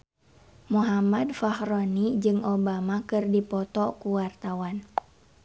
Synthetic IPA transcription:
muɦamadfahɾonid͡ʒɨŋobamakɨrdipɔt̪ɔkuwart̪awan

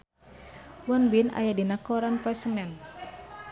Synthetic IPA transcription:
wɔnbina̰jadinakɔɾanpɛsəŋɛn

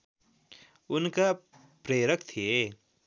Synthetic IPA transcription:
ʊnka | pɾeːɾəkt̪ʰe

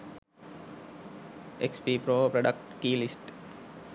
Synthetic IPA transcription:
ekspipɾoːpɾoɖəkʈkiːlisʈ

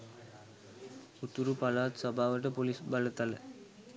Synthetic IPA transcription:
ut̪uɾupɐlaːt̪sɐbʱaːʋəʈ̬ɐpolisbɐlɐt̪alə̰

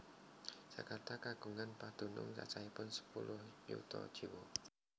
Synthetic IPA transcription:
sakart̪akaɡ̥uŋanpad̪̥ṳnʊ̰ŋt͡ʃa̰t͡ʃaipʊnsə̥pulʊhjṵt̪ɔ̰̥ʒ̥iwo

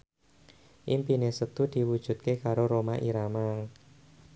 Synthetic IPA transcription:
ʔimpinesət̪ud̪̥i̤wud̥ʒ̥ṳt̪̚kekaɾoɾomaʔiɾama

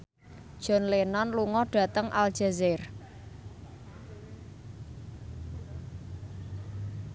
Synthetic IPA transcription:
d̥ʒ̥ɔ̤nlenɔnluŋɔɖ̥ä̤t̪əŋʔa̰ld̥ʒ̥a̤zɪr

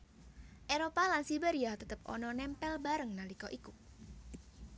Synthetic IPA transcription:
ʔeɾopalansibeɾiat̪ət̪əpʔɔ̰nɔnɛmpɛlbaɾəŋnalikɔʔiku

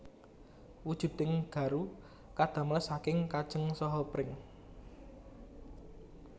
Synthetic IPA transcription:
wud̥ʒ̥ṳd̪ɪŋɡ̥ä̤ɾu | kad̪̥ä̤mləsakɪŋkad̥ʒ̥ə̤ŋsɔɦɔpɾɪŋ

